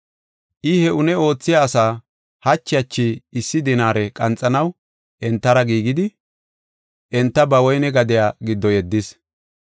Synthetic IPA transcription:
ʔɪhɛʊnɛo̞ːt͡sːɪjaːsaː | hɐt͡ʃːɪjɐt͡ʃːisːɪd̪ɪnaːɾɛkʼɐnt͡sʼːɐnɐw | ʔɛnt̪ːɐɾɐɡiːɡɪd̪ɪ | ʔɛnt̪ːɐbɐwɔjnɛɡɐd̪ɪjaːɡɪd̪ːɔjɛd̪ːɪs

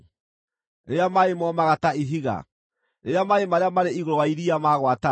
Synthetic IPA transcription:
ejamaemɔmaɣataiɦiɣa̰ | neɾamaemaɾeamaɾeiɣoɾɔwaiɾiamaɣwata

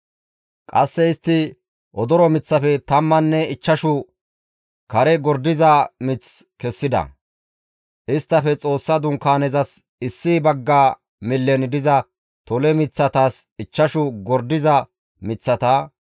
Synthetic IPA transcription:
kʼɐsːɛɪst̪ːɪ | ʔɔd̪ɔɾɔmɪt͡sːɐfɛt̪ɐmːɐnːɛɪt͡ʃːɐʃʊ | kɐɾɛɡɔɾd̪ɪzɐmɪt͡skɛsːɪd̪ɐ̰ | ʔɪst̪ːɐfɛt͡sʼo̞ːsːɐd̪ʊŋkːaːnɛzɐs | ɪsːɪbɐɡːaː | mɪlːɛnd̪ɪzɐ | t̪ɔlɛmɪt͡sːɐt̪aːsɪt͡ʃːɐʃʊɡɔɾd̪ɪzɐ | mɪt͡sːɐt̪aː

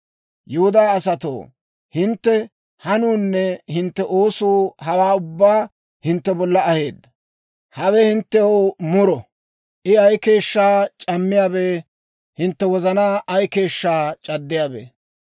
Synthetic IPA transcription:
jʊhʊd̪aːɐsɐt̪o̰ː | hɪnt̪ːɛ | hɐnuːnːɛhɪnt̪ːɛʔo̞ːsuːɦɐwaːʊbːaː | hɪnt̪ːɛbɔlːɐɐhe̞ːd̪ːɐ | hɐwɛhɪnt̪ːɛomʊɾɔ | ʔɪɐjke̞ːʃːaːt͡ʃʼɐmːɪjaːbe | hɪnt̪ːɛwɔzɐnaːʔɐjke̞ːʃːaːt͡ʃʼɐd̪ːɪjaːbḛ

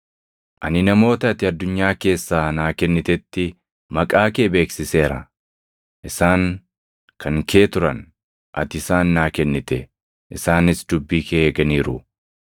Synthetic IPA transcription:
ʔɐnɪnɐmo̞ːt̪ɐɐt̪ɪɐd̪ːʊɲːaːke̞ːsːaːnaːkɛnːɪt̪ɛt̪ːɪ | mɐkʼaːkeːbe̞ːksɪse̞ːɾɐ̰ | ʔɪsaːŋ | kʰɐŋkʰe̞ːt̪ʊɾɐn | ʔɐt̪ɪsaːnːaːkɛnːɪt̪ɛ | ʔɪsaːnɪsd̪ʊbːiːkʰeːeːɡɐniːɾʊ

